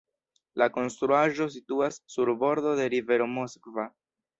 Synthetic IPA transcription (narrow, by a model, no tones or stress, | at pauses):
lako̞nst̪ɾuaʒo̞s̬ituasːuɾbo̞ɾdo̞de̞ɾive̞ɾo̞mo̞skva